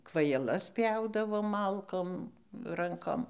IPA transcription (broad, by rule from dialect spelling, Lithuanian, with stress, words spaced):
kʋɐjɛˈlˠɐs ˈpʲjɛʊdɐʋoːm ˈmɐlˠkoːm ˈrɐŋkoːm